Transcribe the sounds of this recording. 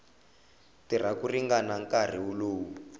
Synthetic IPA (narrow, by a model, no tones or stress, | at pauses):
tir̤akuriŋɡanaŋkar̤iuloːwu